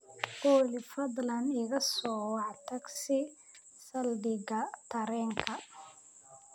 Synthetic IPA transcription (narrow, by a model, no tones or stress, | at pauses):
bɔːlɪfɐd̪lɐnɪɣɐsɔːwɑʕt̪ʰɐɡsɪ | sɐldɪɣɐt̪ʰɐɾɛːŋkʰɐ